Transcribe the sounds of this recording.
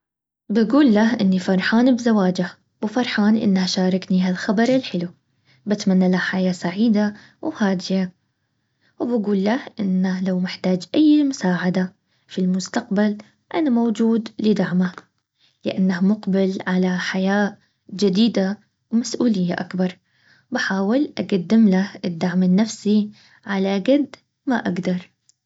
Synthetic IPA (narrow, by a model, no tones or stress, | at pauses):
baɡuːlːahʔɪnːifɑɾˤħaːnbzawaːd͡ʒah | wfɑɾˤħaːnʔɪ̰nːahʃaːɾˤɑknihalxabɑɾˤɪlħɪlu | bat̪manːalahħajaːsaʕiːd̪a | whaːd̪ɪja | wbaɡuːlːahʔɪnːahlawmɪħt̪aːd͡ʒʔajːmʊsaːʕad̪a | filmʊst̪aqbal | ʔanamowd͡ʒuːd̪lɪd̪aʕmah | lɪʔanːahmʊqbɪlʕalaħajaː | d͡ʒɪd̪iːd̪a | wmasʔuːlɪjːaʔakbɑɾˤ | baħaːwɪlʔaɡad̪ːɪmlahɪd̪ːaʕmɪnːafsi | ʕalaɡad̪ | ma̰ʔaɡd̪ɑɾˤ